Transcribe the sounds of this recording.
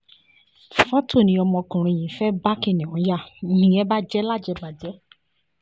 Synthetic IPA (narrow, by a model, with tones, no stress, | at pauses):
fɔ˦to˦˨nĩ˧˦ɔ˧mɔ̃˧kũ˨ɾ̃ũ˧˨j̃ĩ˨fɛ˦ba˦kĩ˦˨nĩ˨ɔ̃˨˦ja˦˨nĩ˨jɛ̃˨˦ba˦d͡ʒɛ˦la˦˨d͡ʒɛ˧ba˨d͡ʒɛ˨˦